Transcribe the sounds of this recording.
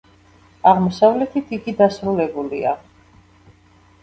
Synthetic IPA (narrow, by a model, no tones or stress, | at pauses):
aʁmɔsavlɛt̪ʰit̪ʰiɡid̪asɾulɛbulḭa